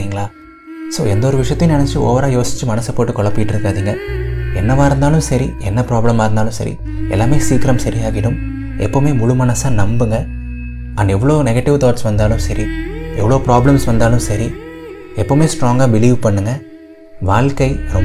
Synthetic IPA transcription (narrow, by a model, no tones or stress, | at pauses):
iŋɡɐɭaː | soːɛnd̪oɾɯʋɪʂɐjɐt̪ːɐj̃nɛnɛt͡ʃːɯo̰ːʋɐɾaːjoːsɪ̥t͡ʃːɯmɐnɐsɐpoːʈːɯkɔɭɐpːɪjɪʈːɪɾɯkːaːðiːŋɡɐɛnːɐʋaːɪɾɯnd̪aːlɯmsɐɾiɛnːɐpɾaːbɭɐmaːɾɯnd̪aːlɯ̃msɐ̰ɾḭ | ɛ̰lːaːmeːsiːkɪɾɐmsɐɾɪjaːɣɪɽɯm | ɛpːoːmeːmʊɻʊmɐnɐsaːnɐmbɯŋɡɐ | ɐnɛʋːɐɭoːnɛɣɐʈːɪʋt̪ɔːʈsʋɐnd̪aːlɯmsɐɾiɛ̰ʋːɐɭoːpɾaːbɭɐmsʋɐnd̪aːlɯmsɐɾi | ɛpːoːmeːsʈɾoːŋɡaːbɪliːʋpɐɳːɯŋɡɐ | ʋaːɭkɐɪɾɔm